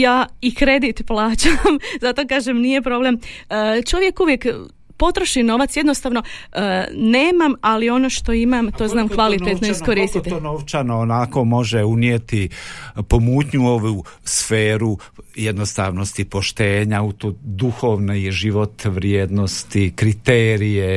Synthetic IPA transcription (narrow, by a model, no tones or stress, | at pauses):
jaːikɾe̞d̪it̪plˠaːt͡ɕamzat̪o̞kaːʒemnije̞pɾo̞blemt͡ʃo̞ʋje̞kuʋjek | po̞t̪ɾoʃino̞ʋat̪sjed̪nost̪aːʋno̞ | neːmamalio̞noʃt̪o̞imamt̪o̞znaːmkʋalit̪et̪noiskoɾist̪it̪noʋt͡ʃanoonako̞mo̞ʒeunjet̪ipomuːt̪ɲuo̞ʋu | sfeːɾu | jed̪nost̪aʋnost̪ipoʃt̪eːɲaut̪od̪uxo̞ːʋnejʒiʋo̞t̪ʋɾjeːd̪nost̪ikɾit̪eːɾije